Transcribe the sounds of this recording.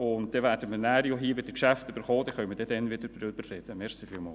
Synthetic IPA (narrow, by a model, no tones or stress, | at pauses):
ʊnt̚d̥ɛʋæːd̥əminæːɾjoɦiːəvɪd̥əkʃæftybəɾχoːd̥ɛχœməd̥ɛdɛnvɪdəɾdɾøb̥əɾrɛd̥əmɛɾsifiːlmɑ̰ːl